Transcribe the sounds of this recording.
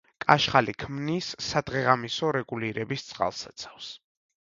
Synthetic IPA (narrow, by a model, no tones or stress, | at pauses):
kʼaʃχalikʰmnisːad̪ʁɛʁamisɔɾɛɡuliɾɛbist̪sʼqʼa̰lˠsat̪sʰḁfs